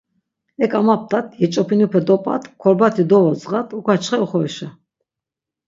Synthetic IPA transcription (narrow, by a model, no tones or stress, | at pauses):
ɛkʼamap̚t̪ʰʼat̪ʰjɛt͡ʃʼɔpʰinupʰɛd̪ɔpʼa̰t̪ʰkʰɔɾbat̪ʰid̪ɔvɔzʁat̪ʰukʷʰat͡ʃʰχɛɔχɔɛʃa